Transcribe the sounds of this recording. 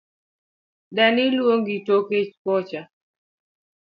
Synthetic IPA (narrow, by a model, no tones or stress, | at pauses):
danɪlwoŋɡitoket͡ʃkɔt͡ʃa